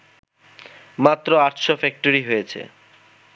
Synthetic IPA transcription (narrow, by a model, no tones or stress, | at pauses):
mat̪ːɾoaʈʃɔfɛk̚ʈoɾiɦojet͡ɕʰḛ